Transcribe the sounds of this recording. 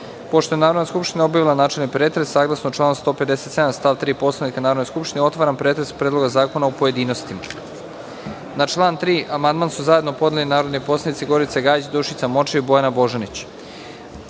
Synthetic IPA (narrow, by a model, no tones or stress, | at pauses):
po̞ʃt̪o̞jenaːɾo̞d̪naskupʃt̪inaobjaʋilˠanaːt͡ʃelnipɾeːt̪ɾesːaːɡlˠasnot͡ʃlˠaːnst̪o̞ːpe̞d̪e̞se̞t̪se̞d̪amst̪aːʋt̪ɾiːpo̞slˠanikanaːɾod̪neskupʃt̪ineo̞t̪ʋaːɾampɾet̪ɾespɾed̪lo̞ɡazaːko̞naopo̞je̞d̪iːnost̪ima | nat͡ʃlˠaːnt̪ɾiːʔamand̪maːnsuzajed̪nopo̞d̪elinaːɾo̞d̪nipo̞slˠanitsiɡo̞ɾit̪seɡaːjd͡ʑd̪oʃit̪samo̞t͡ʃeibo̞janabo̞ʒanit͡ɕ